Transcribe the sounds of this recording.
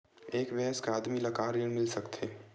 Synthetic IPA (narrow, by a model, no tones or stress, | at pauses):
eːkbɛɦəskeaːd̪milɐkaːɾjənmɪlsəkt̪ʰeː